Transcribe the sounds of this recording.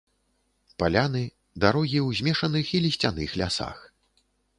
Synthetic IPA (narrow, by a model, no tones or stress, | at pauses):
palʲanɨ | d̪aɾɔɣʲiwzʲmʲɛʂɐnɨxilʲisʲt͡sʲanɨxlʲasa̰x